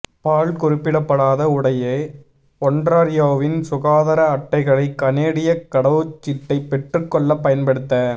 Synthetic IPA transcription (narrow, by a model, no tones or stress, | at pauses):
paːɭkʊrɪpːɪɽɐpːɐɽaːðɐʊɽɐjeː | ɔɳɖɾaːɾɪjoːʋɪnsʊɣaːðɐɾɐːʈːɐɪɣɐɭɐɪkːɐneːɽɪjɐkːɐɽɐʋɯt͡ʃːɪʈːɐɪpːɛʈrɯkːɔɭːɐpːɐjɐnpɐɽɯt̪ːɐ